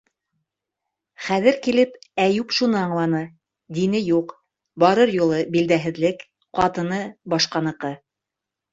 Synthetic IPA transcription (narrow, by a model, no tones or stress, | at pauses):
χæðɘ̆ɾkilɘpæjupʃunɤɑɴlˠɑnɤ | d̪inɘjuq | bɑɾɤɾjulˠɤbild̪æɦɘ̆ðlɘk | qɑt̪ɤ̆nɤbɑʃqɑnɤ̆qɤ